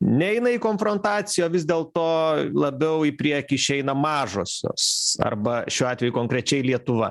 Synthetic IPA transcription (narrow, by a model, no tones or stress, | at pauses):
nʲɛɛɪnɐiːkoːnfɾont̪ɑːt̪sʲɪjoːʋʲɪzd̪ʲeːlˠt̪oːlˠɐbʲɛʊipʲɾʲiɛkʲiːɪʃʲɛɪnɐmɑːʒoːsʲo̰ːsɐ̰rbɐʃʲuːɑːt̪ʲʋʲɛjuːkoːŋkɾʲɛt͡ʃʲɛɪlʲiɛt̪ʊʋɐ̰